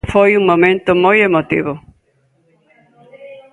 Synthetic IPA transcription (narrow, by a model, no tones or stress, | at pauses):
fojũŋmomẽnt̪ʊmojemot̪ḭβʊ